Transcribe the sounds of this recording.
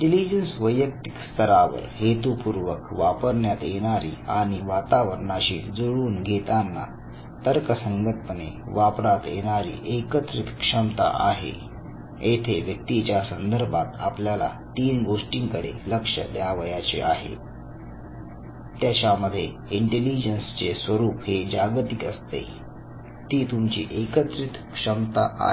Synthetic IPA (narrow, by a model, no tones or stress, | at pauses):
ɖilid͡ʑənsʋəjək̚t̪i̥kst̪ʰəɾaʋə̰ɾɦet̪upuɾʋəkʋapəɾɳjat̪jeɽ̃aɾḭːaɽ̃iʋat̪aʋəɾɳaɕḭːd͡zoɽuːnɡʱet̪anːa̰ | t̪əɾkəsəŋɡət̪̚pəneʋapɾat̪jḛɽ̃aɾḭːʔekət̪ɾit̪kʂəmt̪a̰ʔa̰ɦḛ | et̪ʰeʋjək̚t̪it͡ɕjasənd̪əɾbʱat̪apljala̰t̪iːnɡoʂʈiŋkəɽḛləkʂə̰d̪jaʋəjat͡ɕḛʔaɦḛ | t̪jat͡ɕaməd̪ʱːje | iɳʈelid͡ʑənst͡sesʋəɾuːpɦed͡ʑaɡt̪ikəst̪ḛ | t̪iːt̪umt͡ɕḭːʔekət̪ɾit̪kʂəmt̪aʔa̰